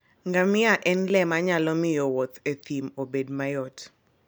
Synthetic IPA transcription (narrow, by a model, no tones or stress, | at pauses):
ŋɡamɪaʔɛnlɛmaɲalɔmɪjɔwɔt̪ʰet̪ʰimobedmajɔt